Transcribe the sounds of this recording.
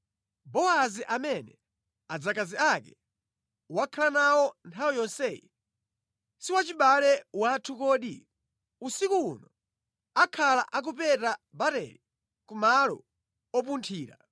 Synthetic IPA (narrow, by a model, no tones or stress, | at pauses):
bɔaziʔamɛnɛ | ad͡zakaziakɛ | wakʰalanawɔntʰawijɔnsɛji | siwat͡ʃiɓalɛwatʰukɔːɗi | usikuunɔ | akʰalaʔak̬upɛtabatɛ̰li | kumalɔ̰ | ɔp̬untʰiːɾa̰